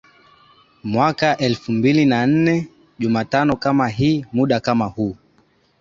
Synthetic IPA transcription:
mwakaʔɛlfumbilinan̩nɛ | ʄumatanɔkamaɦiːmuɗakamahuː

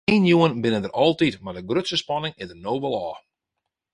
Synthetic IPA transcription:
eːnjuənbɪnədəɾʔɔlˠtitmadəɡrøtsəspɔnɪŋɪdənoːbəl̩ˠɔː

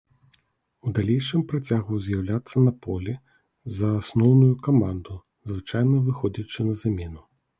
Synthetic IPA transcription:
ud̪alʲejʂɨmpɾat͡sʲaɣuzʲjawlʲat̪sːɐnɐpɔlʲi | zɐːsnɔwnujukamand̪u | zvɨt͡ʂajnɐvɨxɔd͡zʲɐt͡ʂɨnɐzamʲɛnu

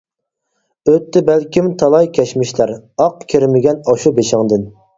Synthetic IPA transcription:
øt̪ʰːɪbælkʲimt̪ʰɑlˠɑjkʲʰɛʃmɪʃlæɾɑqkʲʰiɾmɪɡʲɛnɑʃubeʃɪŋd̪ɨn

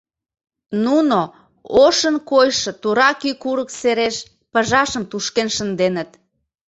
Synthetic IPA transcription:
nuno | oʃənkojʃɤ̆t̪uɾɑkykuɾəkseɾeʃ | pəʒɑʃəmt̪uʃkenʃənd̪enət̪

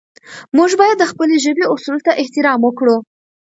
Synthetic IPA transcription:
muʒbɑjad̪ːəxpəleʒəbeʊsult̪aʔɪht̪ɪɾɑmwəkɽu

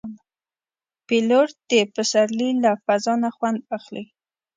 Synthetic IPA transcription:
piloɾd̪̥epəsaɾlilafazɑnaxwand̪̚axli

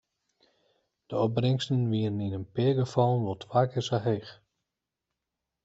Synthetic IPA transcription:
d̥əɔp̚brɪŋstənʋiənəninənpɪːɡəfɔlˠnʋɔlˠtʰʋaːkʰɪsaɦejx

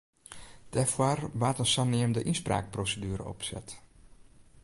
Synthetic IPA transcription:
d̥ɛfwarʋaːtənsanɪəmdəʔinspra̰ːk̚prosədyːɾə̰ɔ̰psɛ̰t

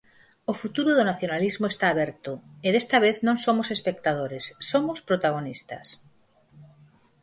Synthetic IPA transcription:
ofut̪uɾuðonaθjonalizmoest̪aːβ̞eɾt̪oeðest̪aβ̞eθnõŋsomosespek̚t̪aðoɾesːomospɾot̪aɣ̞onist̪a̰s

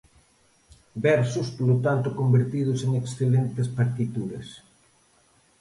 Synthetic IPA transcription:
bɛɾsʊspolot̪ant̪ʊkombeɾt̪ið̞ʊseŋeksθelent̪espaɾt̪it̪uɾḛs

